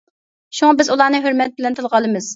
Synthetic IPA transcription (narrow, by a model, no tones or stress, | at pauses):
ʃuŋɑbɪzulˠɑːnɨɦøɾmɛt̪̚bɪlɛnt̪ʰɨlˠʁɑlˠɨmɨz̥